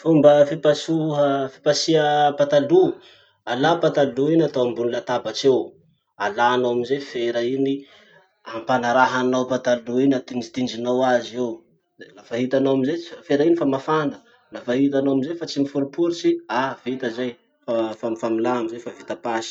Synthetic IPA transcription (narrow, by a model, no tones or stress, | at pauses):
fumbəfipasuəfi̥pasiəpat̪alu | alapat̪aluinat̪owambunilat̪abat͡ʃew | alaːnowamizefeɾaini | ampanaɾaɦanawpat̪aluinat̪ind͡ʒit̪ind͡ʒinawazew | lafaɦit̪anowamizefeɾainifamafand̪ə̥ | lafaɦit̪anowamizejfat͡simifuɾupuɾisiavit̪əzaj | fafamifamilaamizefavit̪apasi̥